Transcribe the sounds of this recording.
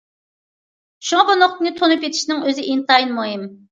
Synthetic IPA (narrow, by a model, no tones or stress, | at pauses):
ʃuŋɑbonoq̚t̪nɨt̪ʰonupjet̪ʰi̥ʃnɪŋøzɪʔint̪ɑjinmoɦim